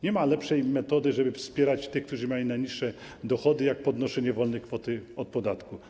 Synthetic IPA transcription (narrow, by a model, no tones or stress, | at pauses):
ɲɛmalɛpʂɛjmɛt̪ɔd̪ɘʐɛbɘfspʲjɛɾat͡ɕt̪ɘxkt̪uʐɘmʲjalʲinajɲiʂːɛ | d̪ɔxɔd̪ɘjak̚pɔd̪nɔʂɛɲɛvɔlnɛkfɔt̪ɘɔt̪̚pɔd̪at̪ku